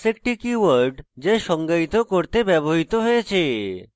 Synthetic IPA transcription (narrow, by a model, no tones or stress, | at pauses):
sek̚ʈikiwaɾɖd͡ʑajʃɔŋɡait̪okoɾt̪ebɛboɦit̪oɦojet͡ɕʰe